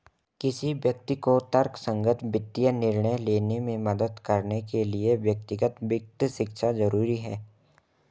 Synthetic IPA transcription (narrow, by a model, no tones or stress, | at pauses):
kɪsiʋjɐk̚t̪ikot̪ɐɾksə̃ŋɡət̪bɪt̪ːijənɪɾɳəjleːnemẽmɐd̪əd̪kɐɾnekelieʋjək̚t̪ɪɡət̪ʋɪk̚t̪ʃɪkʃazɐɾuːɾiɦɛ̰ː